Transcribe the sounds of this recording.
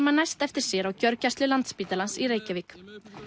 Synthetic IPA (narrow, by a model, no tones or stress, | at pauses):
manajst̪ɛft̪ɪɾ̥sjɛɾawcœɾcast̪lɪlant̪spiːt̪alansiɾeːjcavik